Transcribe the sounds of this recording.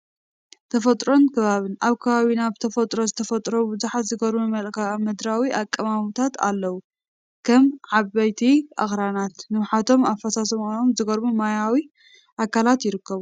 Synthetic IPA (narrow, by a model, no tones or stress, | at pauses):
t̪ʰɐfɐt̪ʼɾo̞nkʰɨβaβɨnaβkʰɐβaβinaβt̪ʰɐfɐt̪ʼɾo̞zɨt̪ʰɐfɐt̪ʼɾobɨzuħat̪zɨɡɐɾmumɐlkamɐd̪ɾawiʔakʼːɐmamut̪ʰat̪a̰lːɐwu | kʰɐmʕaβɐjt̪ʰiʔa̰xɾanat̪nɨwħat̪ʰo̞mafːɐsasɐmnomzɨɡɐɾbumajawi | ʔakʰalat̪jɪɾɨkːɐβu